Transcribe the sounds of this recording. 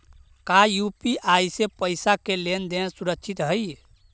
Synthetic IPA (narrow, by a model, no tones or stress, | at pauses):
kajupiʔaisepəɪsakelend̪ẽsuɾəkt͡ʃʰit̪ɦəj